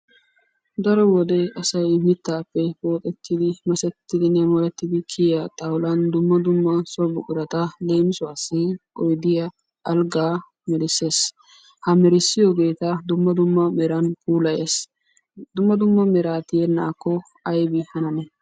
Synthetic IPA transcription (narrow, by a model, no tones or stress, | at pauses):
d̪ɐɾɔwɔd̪ɛɐsɐjmɪt̪ːaːpːɛpoːt̪ʼɛt̪ːɪd̪ɪmɐsɛt̪ːɪd̪ɪnɛmɔlɛt̪ːɪd̪ɪkʰɪjat̪ʼɐwlɐnd̪ʊmːɐd̪ʊmːɐsɔbʊkʼːɪɾɐt̪ɐle̞ːmɪsɔaːsɪkʼɔjd̪ɪjɐ | ɐlɡaː | mɛɾɪsːe̞ːs | hɐmɛɾɪsːɪjoːɡe̞ːt̪ɐd̪ʊmːɐd̪ʊmːɐmɛɾɐnpuːlɐjeːs | d̪ʊmːɐd̪ʊmːɐmɛɾaːt̪ɪjɛnːaːkːɔ | ɐjbɪhɐnɐnɛ